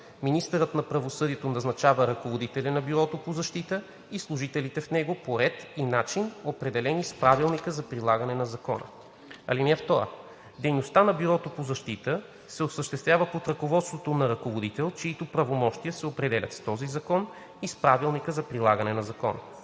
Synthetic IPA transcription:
minist̪əɾət̪nɐpɾɐvosɤd̪iɛt̪onɐznɐt͡ʃavəɾɐkovod̪it̪ɛlinɐbiɾɔt̪opozɐʃt̪it̪ə | islˠuʒit̪ɛlit̪ɛfnɛɡopoɾɛt̪inat͡ʃinopɾɛd̪ɛlɛnispɾavilˠnikəzɐpɾilˠaɡɐnɛnɐzɐkɔ̰nə̰ | ɐ̰linɛft̪ɔɾə̰ | d̪ɛjnost̪anɐbiɾɔt̪opozɐʃt̪it̪ə | sɛosəʃt̪ɛst̪vʲjavəpot̪ɾɐkovɔt̪st̪vot̪onɐɾɐkovod̪it̪ɛlˠt͡ʃɛit̪opɾɐvomɔʃt̪ijəsɛopɾɛd̪ɛlʲɐ̰t̪st̪ɔzizɐkɔn | ispɾavilˠnikəzɐpɾilˠaɡɐnɛnɐzɐkɔ̰nə̰

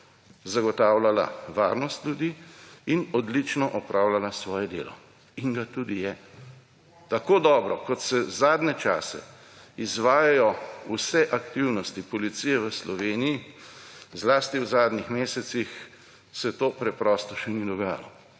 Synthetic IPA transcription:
zaɡɔt̪aːwlala̰ʋa̰ːɾnɔst̪lʲjud̪iinɔd̪lit͡ʃnɔʔɔpɾʔaːwlalasʋɔːjɛd̪ḛːlɔ̰ | iŋɡat̪uːd̪ijɛ | t̪akoːd̪ɔːbɾɔkɔt̪sɛzaːd̪nɛt͡ʃaːsɛ̰ | izʋaːjajɔusɛʔakt̪iwnɔst̪ipɔlit̪sijɛʋəslɔʋeːniji | zlaːst̪iwzaːd̪nixmeːsɛt̪six | sɛt̪oːpɾɛpɾɔːst̪ɔʃɛnid̪ɔɡaːja̰lɔ

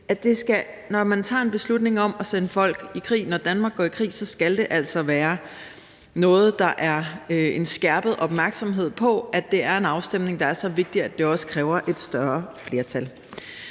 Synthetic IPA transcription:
æd̥e̝sɡ̥æ | nɒmænt͡sʰɑ̰̈ːe̝nb̥e̝slud̥ne̝ŋɒ̽mɒsenəfɒ̽l̰ɡ̥ikʰʁḭːnɒd̥ænmɑ̈ːɡ̥ɒ̰ːikʰʁḭːsɒ̽sɡ̥æld̥e̝ʔæl̰sɒ̽ʋæːɐ | nɔ̽ːð̩ˠd̥ɑ̈ʔæɐe̝nsɡ̥æɐb̥əð̞̩ˠʔɒ̽b̥mæɐɡ̥sɒ̽mɦe̝ð̞̰ˠpʰɒ̽æd̥e̝æɐe̝nɑ̈ʊsd̥em̰ne̝ŋd̥ɑ̈æɐsɒ̽ʋe̝ɡ̥̚d̥i̥æd̥e̝ɒ̽sə̥kʰʁɛːʊɐʔe̝d̥sd̥ɶɐfle̝ɐt͡sʰæl

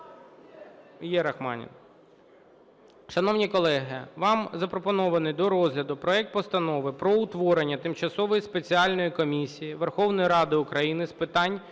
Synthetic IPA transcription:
jɛɾɐxmɑ̰nʲḭn | ʃɐnɔwnʲikɔlˠɛɦɪʋɑmzɐpɾɔpɔnɔʋɐnɪjd̪ɔɾɔzʲlʲɐd̪ʊpɾɔɛk̚t̪̚pɔst̪ɐnɔʋɪpɾɔʊt̪ʋɔɾenʲːɐt̪ɪmt͡ʃɐsɔʋɔjispet͡sʲiɑlʲnɔjikɔmʲisʲijiʋerxɔwnɔjiɾɑd̪ɪʊkɾɐjinɪspɪt̪ɑnʲ

